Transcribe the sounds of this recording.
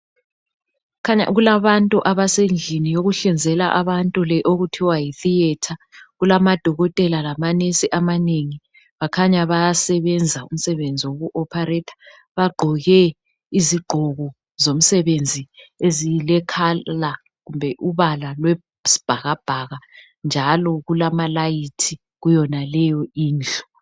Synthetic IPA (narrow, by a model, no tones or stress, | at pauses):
kʰaɲa̰ɣulaβantʼuʔaβasend͡ɮʱinijoɣuɬind͡zʱɛlaʔaβantʼulɛʔoɣutʰiwajiθiɛtʰaɣulamad̥ʱɔɣɔtʼɛlalamanesiʔamaneŋi | βakʰaɲaβajasɛβɛnd͡zʱaṵm̩sɛβend͡zʱiwoɣuʔɔpʰarɛtʰḁ | βaɡ͡ǃʱɔɣɛ | iziɡ͡ǃʱɔɣɔ | zom̩sɛβend͡zʱiezilɛkʰala | ɣumbʱɛʔuβalalwɛ | si̥b̥ʱaɣab̥ʱaɣa | nd͡ʒʱalɔɣulamalajitʰi | ɣujɔnalɛjɔiːnd͡ɮʱɔ